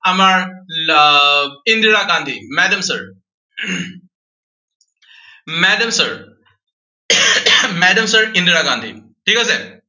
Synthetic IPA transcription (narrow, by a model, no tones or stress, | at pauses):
amaɾ | ind̪iɾaɡãnd̪ʱimæɖəmsəɾ | mɛɖəmsəɾ | mæɖəmsəɾĩnd̪iɾaɡãnd̪ʱḭ | ʈʰiːkasa